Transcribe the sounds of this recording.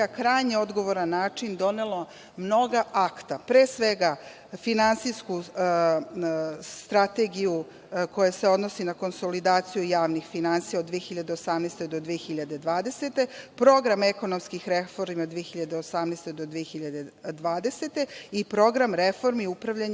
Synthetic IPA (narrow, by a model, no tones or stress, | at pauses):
akɾaːjɲeo̞d̪ɡo̞ʋo̞ɾanːaːt͡ʂind̪o̞ne̞lo | mno̞ɡaʔakt̪apɾeːsʋe̞ɡa | finansijsku | st̪ɾat̪eɡiju | ko̞jaseo̞d̪nosinako̞nso̞lid̪aːt̪sijujaːʋnixfinant̪sijaod̪ʋijexiʎad̪e̞osamnest̪ed̪od̪ʋijexiʎad̪e̞d̪ʋaːd̪e̞se̞t̪e̞pɾo̞ɡɾameko̞nomskixɾefoɾmod̪ʋijexiʎad̪eosamnest̪ed̪od̪ʋijexiʎad̪e̞d̪ʋaːd̪e̞se̞t̪e̞ipɾo̞ɡɾamɾefo̞ɾmiupɾaʋʎaɲ